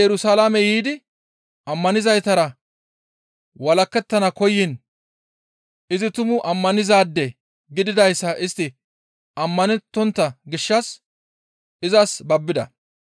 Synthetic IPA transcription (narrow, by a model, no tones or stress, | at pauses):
ɛɾʊsaːlamɛjiːd̪ɪ | ɐmːɐnɪzɐjt̪ɐɾɐ | wɐlɐkːɛt̪ːɐnɐkɔjːɪn | ɪzɪt̪ʊmʊʔɐmːɐnɪzaːd̪ːɛ | ɡɪd̪ɪd̪ɐjsːɐʔɪst̪ːɪ | ɐmːɐnɛt̪ːɔnt̪ːɐɡɪʃːɐs | ʔɪzɐsbɐbːɪd̪ɐ